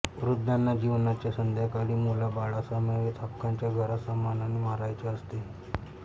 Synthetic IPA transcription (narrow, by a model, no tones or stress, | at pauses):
ʋɾud̪ʱːjanːad͡ʑiʋnat͡ɕjasənd̪ʱjakaɽiːmulabaɭasameʋet̪ʰakʰːaɲt͡ɕjaɡʱəɾasamːananemaɾajt͡seəst̪e